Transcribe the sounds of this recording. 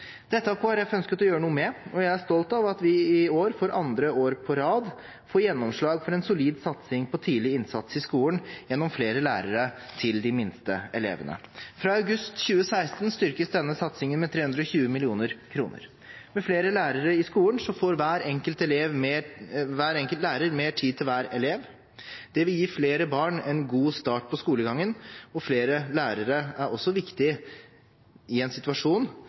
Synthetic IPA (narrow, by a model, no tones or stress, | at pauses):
d̪̥ɛt̪ːəɑpʰɔhɑɾjæɪfœnskət̪ɔjøːɾənuːəmɛɔjæɪæst̪ɔlt̪ɑʋɑt̪ʋɪɪoːɾfɔɾʔɑnd̪ɾəoːɾpʰɔɾɑːd̪ | foːɾjɛnːɔmʂɭɑːɡfɔɾɛnsʊliːd̪sɑt̪sɪŋpʰɔt̪ʰiːlɪɪnsɑt̪sɪskuːənjɛnːɔmfleːɾəlæ̰ːɾəɾət̪ʰɪld̪ɪmɪnst̪ə̰ɛlḛːʋənə̰fɾɑːɑʉɡʉst̪çʉːəsæɪst̪nst̪ʏɾkəsd̪ɛnːəsɑt̪sɪŋənmɛt̪ʰɾeːhʉnd̪ɾɔçʉːəmɪlɪuːnəɾkʰɾuːnə̰ɾ | mɛfleːɾəlæːɾəɾəɪskuːlənsɔfoːɾʋæːɾɛŋkəlt̪ɛleːʋmː | ʋæːɾɛŋkəlt̪læːɾəɾmeːʈʰiːt̪ʰɪlʋæːɾɛleːʋ | d̪̥ɛʋɪljiːfleːɾəbɑːɳɛnɡuːst̪ɑːʈ̚pʰɔskuːləɡɑŋːənɔfleːɾəlæːɾəɾəæɾɔsːɔʋɪkt̪ɪ | ɪɛnsɪt̪ʉɑʂuːn